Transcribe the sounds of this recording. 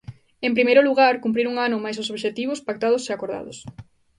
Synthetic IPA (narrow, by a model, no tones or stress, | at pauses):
empɾimejɾʊluɣaɾkump̬ɾiɾuŋanʊmajsosoβʃet̪iβ̞ʊspak̚t̪að̞ʊseakoɾða̰ðʊ̰s